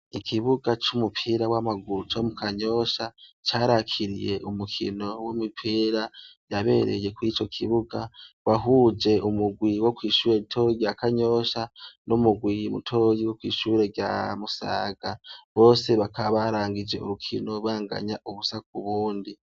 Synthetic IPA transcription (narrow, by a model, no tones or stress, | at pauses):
ikʰiβuɡat͡ʃumupʰiɾawamaɡuɾut͡ʃomukaɲo̞ʃat͡ʃaːɾakʰiɾḭje̞ʔumukʰḭno̞womupʰiːɾajaβe̞̰ɾe̞̰je̞kwit͡ʃo̞kʰiβuɡawaɦud͡ʒe̞ʔumuɡwiwo̞kwiːʃuːɾeitʰo̞ɟiakaɲo̞ʃanomuɡwimṵtʰo̞jiwokwḭːʃuːɾe̞ɡɟja̰musa̰ːɡ̥aβo̞ːse̞βakaβaɾaːŋɡid͡ʒe̞o̰ɾukʰino̞waːŋɡa̰ɲaʔuβusakuβuːndi